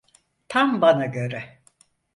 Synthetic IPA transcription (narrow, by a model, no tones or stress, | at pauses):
t̪ʰambanaɟø̞ɾɛ